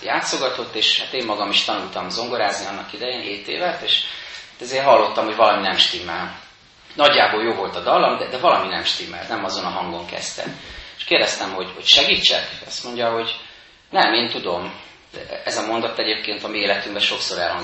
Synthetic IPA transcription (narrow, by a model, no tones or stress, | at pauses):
jaːt̪so̞ɡɒt̪o̞t̪ːeːʃhat̪eːmːɒɡɒmiʃt̪ɒnult̪ɒmzo̞ŋɡo̞ɾaːzniɒnːɒkid̪ɛjeːneːt̪ḛːvɛt̪eːʃat̪ɛzeːrɦɒlːo̞t̪ːɒmho̞ɟvɒlɒminɛmʃt̪imːɛl | nɒɟːaːboljoːvo̞lt̪ɒd̪ɒlːɒmd̪ɛd̪ɛvɒlɒminɛmʃt̪imːɛ̰lnɛmɒzo̞nɒɦɒŋɡoŋkɛ̰st̪ɛ̰eʃkeːrd̪ɛst̪ɛmɦo̞ɟho̞cʃɛɡiːt͡ʃːɛ̰kɒst̪mo̞ɲɟɒɦo̞ɟ | nɛmeːnt̪ud̪o̞m | ɛzɒmo̞nd̪ɒt̪ːɛɟeːp̚keːnt̪ɒmieːlɛt̪yŋbɛʃo̞ksoːɾɛ̰lhɒŋ